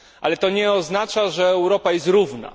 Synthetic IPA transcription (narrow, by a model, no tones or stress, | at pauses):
ʔa̰lɛt̪ɔɲɛɔznat͡ʂaʐɛːwɾɔpajɛst̪ɾuvna̰